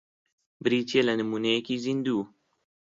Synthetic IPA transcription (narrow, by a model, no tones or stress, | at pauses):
bɨɾiːt̪ielɐnɨmuːnɐjekiːzind̪uː